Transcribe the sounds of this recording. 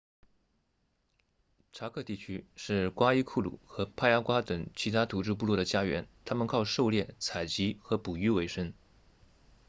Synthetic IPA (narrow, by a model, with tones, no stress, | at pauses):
ʈ͡ʂʰa˧˥kʰɤ˥˧t̪i˥˩t͡ɕʰy˥ʂɻ̩˥˩kwa˥i˥kʰu˥˩lṵ˨˩˦xɤ˧˥pʰa˥˧ja˥kwa˥t̪ɤ˨˩ŋt͡ɕʰi˧˥t̪ʰa˥t̪ʰu˧˩ʈ͡ʂɻ̩˥p̬u˥˧lwɔ˥˩d̪ə˩t͡ɕja˥ɥɛ̰˧˥nt̪ʰa˥mə˨nkʰɑ˥˧ʊʂo˥˧ʊljɛ˥˩t͡sʰa˨˩ɪt͡ɕi˧˥xɤ˧˥pu˨˩y˥we˧˥ɪʂə˥ŋ